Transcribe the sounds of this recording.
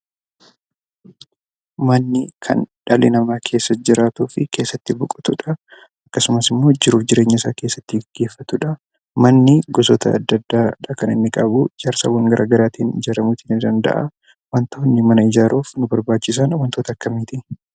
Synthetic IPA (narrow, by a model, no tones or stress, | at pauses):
mɐnːɪkʰɐ̰nᶑɐlɪnɐmaːkʰe̞ːsːɐd͡ʒɪɾaːt̪uːfɪke̞ːsːɐt̪ːɪbʊkʼʊ̥t̪ʊᶑɐ | ɐkːɐsʊmɐsɪmːo̞ːd͡ʒɪɾuːfd͡ʒɪɾeːɲːɐsaːke̞ːsːɐt̪ːɪɡɡːe̞ːfːɐt̪ʊᶑɐ | mɐnːɪɡɔsɔt̪ɐ̰ːd̪ːɐd̪ːaːᶑɐkɐnɪ̰nːɪkʼɐbud͡ʒaːɾsɐ̰wɐŋɡɐɾʔa̰ːɡɐɾaːt̪iːnɪd͡ʒɐɾɐmuːt̪ʰiːnɪd̪ɐnd̪ɐ̰ʔɐ̰ | wɐnt̪oːnːɪmɐnɐɪd͡ʒaːɾoːfnʊbɐɾbaːt͡ʃːɪs̬aːnwɐnt̪ot̪ɐkːɐmiːt̪ɪ